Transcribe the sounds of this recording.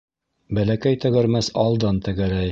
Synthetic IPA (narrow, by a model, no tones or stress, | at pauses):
bælækæjt̪ɘ̆ɡɘ̆ɾmæsɑlˠd̪ɑnt̪ɘ̆ɡæɾæj